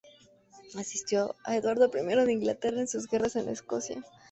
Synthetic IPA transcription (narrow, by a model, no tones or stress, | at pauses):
asist̪jo̞a̰eðwaɾðo̞pɾime̞ɾo̞ðeiŋɡlat̪e̞raensuzɣe̞rase̞nlʔaesko̞sja̰